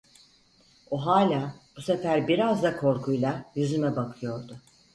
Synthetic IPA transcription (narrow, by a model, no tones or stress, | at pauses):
oɦaːlʲaːbusefæɾbiɾazd̪akʰo̞ɾkʰujlˠajyzymɛbakʰɯjo̞ɾd̪ʊ